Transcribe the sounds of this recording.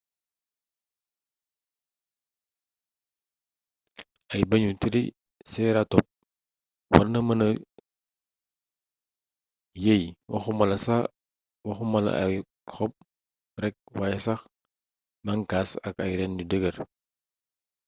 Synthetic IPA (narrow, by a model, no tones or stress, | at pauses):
ɐjbɐɲutiɾi | sɛːɾatɔp̚ | wɐ̰rnɐmɐnɐ | jejwʔɐ̰xumɐlɐsa | wɐxumɐlɐ̰ɐ̰j | xɔp̚ | rɛk̚wajsɐx | mɐŋkaːsɐ̰kɐjɾɛndudəɡɐr